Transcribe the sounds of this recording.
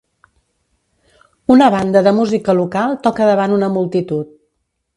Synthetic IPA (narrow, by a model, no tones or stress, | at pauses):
unəβand̪əðəmuzikəlukalˠt̪ɔkəðəβ̞anunəmulˠt̪it̪ut̪̚